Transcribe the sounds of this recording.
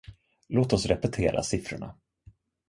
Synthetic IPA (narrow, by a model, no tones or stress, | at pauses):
loːt̪ɔsɾɛpɛt̪ʰeːɾʔa̰sɪfɾʊɳa